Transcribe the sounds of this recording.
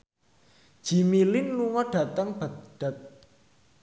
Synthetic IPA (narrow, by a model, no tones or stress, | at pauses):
d̥ʒ̥i̤milɪnluŋɔɖ̥a̤t̪əŋb̥at̪ɖ̥a